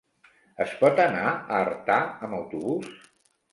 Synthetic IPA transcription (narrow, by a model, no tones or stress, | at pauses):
əspɔt̪ənaəːrt̪aəməwt̪uβus